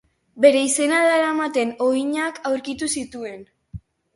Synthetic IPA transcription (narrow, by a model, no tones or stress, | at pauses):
be̞ɾe̞ise̞naðaeɾamat̪e̞no̞iɲakawɾkit̪usit̪ue̞n